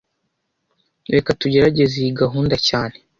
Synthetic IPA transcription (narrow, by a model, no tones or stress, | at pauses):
ɾekatuɟe̞ɾaɟe̞ziiɡaɦuːndacaːne̞